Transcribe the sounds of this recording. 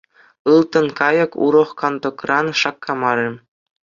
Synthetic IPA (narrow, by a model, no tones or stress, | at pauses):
ɯlˠt̪ɤ̆nkɑjɤ̆kṵɾɤ̆χkɑnd̪ŏkrɑnʂɑkːɑmɑɾʲĕ